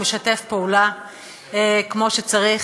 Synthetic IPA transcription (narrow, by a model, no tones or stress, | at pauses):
eʃate̞fpeula | kmo̞ʃet͡saʁiχ